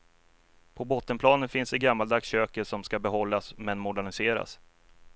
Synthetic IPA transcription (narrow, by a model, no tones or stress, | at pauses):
pʰɔbɔt̪ːənpʰlɑːnənfɪnsd̪ɛɡamːald̪ɑksɕøːkəʂɔmskabɛɦɔlːasmɛnmʊɖæɳɪseːɾa̰s